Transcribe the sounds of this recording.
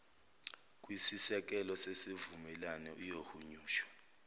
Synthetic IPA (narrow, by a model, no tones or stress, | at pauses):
k̬ʼwisisɛk̬ɛlɔsesivumɛlanɛujohuɲuːʃɔ̥